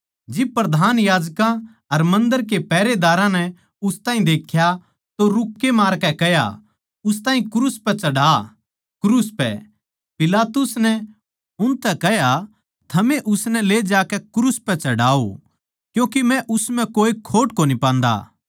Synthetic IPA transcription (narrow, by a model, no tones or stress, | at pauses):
d͡ʒɪb̚pɾɐd̪ʱaːnjaːd͡ʒkã | ɐɾmɐ̃nd̪əɾk̬epɛːɾed̪aːɾãnɛ | ʊst̪ãːɦĩd̪eːkʰːja | t̪oɾʊkːemaːɾkɛkɛja̰ | ʊst̪ãːɦĩkʊɾuspɛt͡ʃɐɽaː | kʊɾuspɛ̰ | pɪlaːt̪ʊsnɛ | ʊnt̪ɛkɛɦja | t̪ʰɐmẽʔʊsnɛleːd͡ʒaːkɛkɾuspɛt͡ʃɐɽaːo̰ | kjũːk̬imɛ̃ʔʊsmɛ̃koːikʰoːʈkonipãːnd̪a̰ː